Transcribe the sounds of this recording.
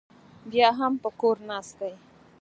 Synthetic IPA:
bjaːɦampəkoɾnaːskaj

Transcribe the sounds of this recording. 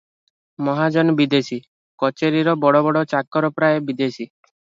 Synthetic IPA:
mɔɦad͡ʒɔnbid̪esi | kɔt͡ʃeɾiɾɔbɔɽɔbɔɽɔt͡ʃakɔɾɔpɾaebid̪esi

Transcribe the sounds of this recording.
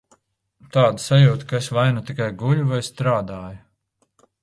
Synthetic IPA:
t̪aːd̪isajuːt̪kaesvajnut̪ikajɡuʎuvajst̪ɾaːd̪aːju

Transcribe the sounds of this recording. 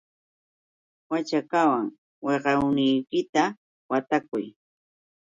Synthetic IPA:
wat͡ʃakawaŋ | weɢɑwnɪjkɪt̪a | wat̪akʊj

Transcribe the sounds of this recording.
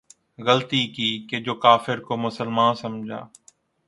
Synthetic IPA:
ɣəlt̪iːkiːked͡ʒoːkaːfɪɾkomʊsəlmaːnsɐmd͡ʒʱa̰ː

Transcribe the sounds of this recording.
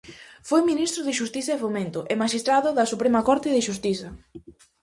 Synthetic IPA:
fojminist̪ɾʊðɪʃust̪iθɐefomẽnt̪ʊʔemaʃist̪ɾaðʊðɐsupɾemɐkɔɾt̪ɪðɪʃust̪iθɐ

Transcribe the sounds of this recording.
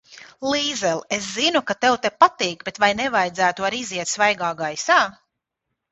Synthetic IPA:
lˠiːzɛlˠes̬zinukat̪ewt̪epat̪iːkbet̪vajnɛvajd̪zæːt̪uaɾiziɛt̪svajɡaːɡajsaː

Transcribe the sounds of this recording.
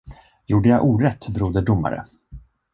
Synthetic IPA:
juːɖəjaʔuːɾɛt̪ːbɾuːd̪əɖʊmːa̰ɾə̰

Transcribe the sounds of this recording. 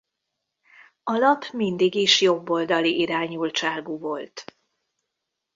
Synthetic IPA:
ɒlɒpmind̪iɡiʃjo̞bːo̞ld̪ɒliʔiɾaːɲult͡ʃaːlɡuvo̞lt̪

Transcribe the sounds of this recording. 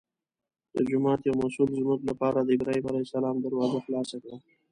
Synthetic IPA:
d̪̥əd͡ʒʊmɑːt̪jawmasulzməklapɑːɾad̪əɪɡɾɑibalasalɑːmd̪aɾwɑːzaxlɑːsakɽa

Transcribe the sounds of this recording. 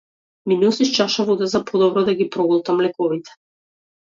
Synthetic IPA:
minulˠsiʃt͡ʃaʃavud̪ɛzapʰɔd̪ɔbɾɔd̪aɡipɾɔɡɔlˠt̪amlɛkɔvit̪ɛ̥

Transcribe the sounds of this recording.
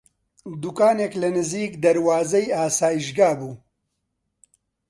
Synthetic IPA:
d̪ukaːneːklɐnɨziːkd̪ɐɾwaːzɐjaːsaːjiʃɡaːbuː

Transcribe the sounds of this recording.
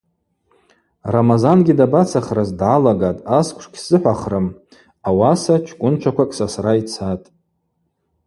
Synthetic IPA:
ramazanɡʲidabat͡sʰaχrazdʕalaɡatʼaskʷʰʼʂkʲsɨħʷaχrɨm | awasat͡ʃʰkʷʼʊnt͡ʃʷʰakʷʰakʼsasrait͡sʰatʼ

